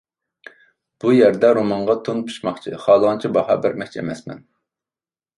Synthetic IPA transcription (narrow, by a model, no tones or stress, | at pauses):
b̥ujæɾd̪ɛɾomɑɴʁɑt̪ʰonpʰu̥ʃmɑχt͡ʃʰiχɑːlˠəʁɑnt͡ʃʰibɑhɑbɪɾmɛk̚ʲt͡ʃʰɛemɛsmɛ̰n